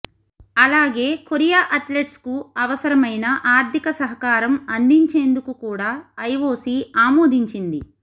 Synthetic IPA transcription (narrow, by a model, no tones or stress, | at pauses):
ɐlaːɡe̞ːkoɾijaːʔɐt̪leʈskuɐʋɐsɐɾɐmɐjnɐʔaːɾd̪ʱikɐsɐɦɐkaːɾɐmɐnd̪iɲt͡ʃe̞ːnd̪ukukuːɽaːɐjʋo̞ːsiaːmoːd̪ʱiɲt͡ʃind̪i